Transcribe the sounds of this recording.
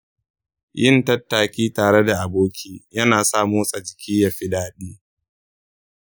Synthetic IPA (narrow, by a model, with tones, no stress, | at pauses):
jɪ˦ntɐ˦tːaː˨kʲiː˦taː˨ɽe˦da˨ʔa˨boː˦kʲʰiː˦jɐ˦naː˨saː˦moː˦sʼɐ˨d͡ʒɪ˨kʲiː˦ja˨ɸɪ˦daː˦ɗiː˦